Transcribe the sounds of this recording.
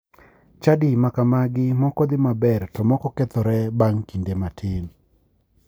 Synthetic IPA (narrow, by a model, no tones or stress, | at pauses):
t͡ʃadɪmakamaɡɪmɔkɔd̪ɪmabɛrtɔmɔkɔkɛt̪ɔɾɛbaŋkindematʰɪn